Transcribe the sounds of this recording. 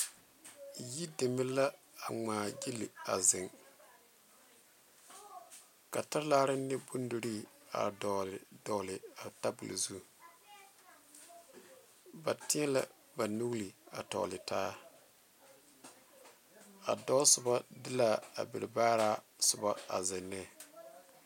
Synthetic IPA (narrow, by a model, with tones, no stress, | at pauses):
ji˦dɪ˨mɪ˦la˦ | a˨ŋaː˨ɡi˦lɪ̰˨a˨zɪ˨ŋ | ka˨ta˦ɾlaː˦ɾɪ˦nːɪ˦bu˦n˦du˨ɾi˦a̰˨dɔ˨lɪ˨dɔː˨lɪ˨a˨ta˦bʊ˨lzu˦ | ba˨tɪ˦ɛ˦la̰˦ | ba˨nu˦li˨a̰˨tɔ̰˨lɪ˨taː˦ | a̰˨dɔ˦sʊ˨ba˦dɪ˦la˦˨a̰˨bɪ˨ɾɪ˨baː˦ɾaː˦sʊ˨ba˦a̰˨zɪ˨nːɛ˦˨